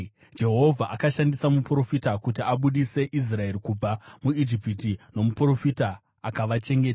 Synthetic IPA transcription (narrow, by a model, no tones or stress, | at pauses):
d͡ʒe̞ɦo̞vʱaʔakaʃandisamupuro̞fitakutiaɓuɗise̞ʔis̬rae̞ɾikub͡vamuid͡ʒipitino̞mupuro̞fita | akaʋat͡ʃe̞ŋɡe̞ːta